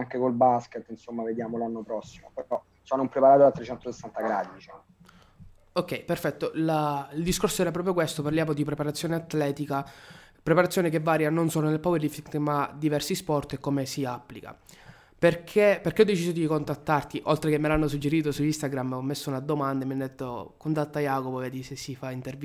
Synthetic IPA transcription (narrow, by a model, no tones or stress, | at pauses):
aŋkekolbasket̪ːinsomːaved̪jaːmolanːopɾɔsːimopeɔ | sɔanompɾepaɾaːt̪oat̪ːɾet͡ʃːɛnt̪osesːant̪aɡɾad̪it͡ʃi | okːɛjperfɛt̪ːoʔlaild̪iskorsoɛːɾap̬ɾɔːpɾjok̬west̪oparljaːmod̪ipɾepaɾat̪sjoːneat̪ːlɛːt̪ikapɾepaɾat̪sːjoːnekevːaːɾjanonsoːlonelpoveɾifikt̪mad̪ivɛrsispɔrt̪ekːomesiapːlika̰ | perkʰeperkeɔd̪ːet͡ʃiːzod̪ikont̪at̪ːart̪iʔolt̪ɾekemːelanːos̬ud͡ʒːeɾiːt̪̬osuist̪aɡɾamːɔmːesːounad̪omand̪amːiɛnd̪et̪ːokont̪at̪ːajaːkopovɛd̪isesːifaint̪erv